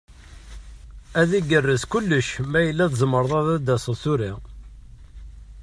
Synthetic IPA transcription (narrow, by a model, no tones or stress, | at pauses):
æðiɡərːəskʊlːəʃmæjəlːæðzəmːəɾəðˤæðæd̪æsəθuɾi